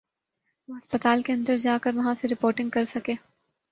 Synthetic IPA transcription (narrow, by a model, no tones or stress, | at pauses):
ʋoɦɐspət̪aːlkeɐ̃nd̪əɾd͡ʒaːkɐɾʋɐɦãseɾɪpoːɾʈɪ̃ŋɡkɐɾsɐkeː